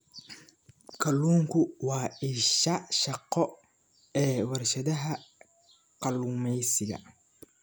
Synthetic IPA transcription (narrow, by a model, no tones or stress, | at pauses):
kʰɐluːŋkʰʊwɑːɪʃɐʃɑqɔ | ɛːwɐrʃɐðɐɦɐ | qɑluːmɛjsɪɣɐ̰